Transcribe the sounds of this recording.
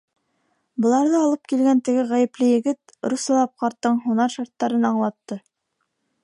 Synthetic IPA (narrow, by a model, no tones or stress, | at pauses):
bɤ̆lˠɑɾðɤɑlˠɤp̚kilɡænt̪ɘ̆ɡɘʁæjɘ̆plɘjɘ̆ɡɘt̪ | ɾusɑlˠɑp̚qɑɾt̪ːɤɴɦunɑɾʃɑɾt̪ːɑɾɤnɑɴlˠɑt̪ːɤ